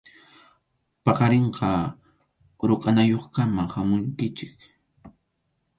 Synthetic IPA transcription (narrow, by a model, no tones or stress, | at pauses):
pɑqɑɾeɴqɑ | ɾʊkʼanajoχkamahamʊŋkɪt͡ʃɪk